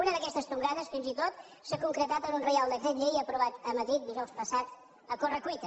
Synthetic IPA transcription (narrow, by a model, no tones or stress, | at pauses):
unəðəkɛst̪əst̪uŋkaðəsfinzit̪ot̪̚ | sakuŋkɾət̪at̪ənunrəjalˠd̪əkɾet̪ʎejəpɾuβat̪əməðɾit̪̚d̪iʒɔwspəsat̪ | əkorəkwit̪ə